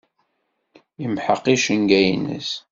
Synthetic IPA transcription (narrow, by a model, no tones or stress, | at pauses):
imħəqːiʃənɡæjnə̰s